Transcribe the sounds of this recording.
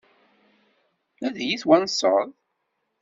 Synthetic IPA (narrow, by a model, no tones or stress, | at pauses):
æðjiθwænsˤəðˤ